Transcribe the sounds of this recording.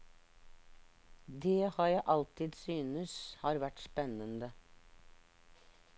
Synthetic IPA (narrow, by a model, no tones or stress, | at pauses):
d̪eːhɑːɾjæʔɑlt̪ɪːd̪syːnəshɑːɾʋæʈspɛnənd̪ə